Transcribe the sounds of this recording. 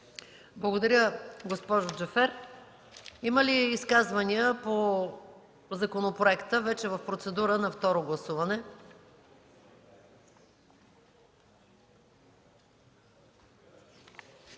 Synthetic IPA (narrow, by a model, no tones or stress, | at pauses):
blˠɐɡod̪ɐɾʲjəɡospɔʒʊd͡ʒɛfɛɾ | iməliːskazvɐniəpo | zɐkonopɾoɛkt̪əvɛt͡ʃɛvɐfpɾot̪sɛd̪uɾənɐft̪ɔɾoɡlˠɐsuvɐnɛ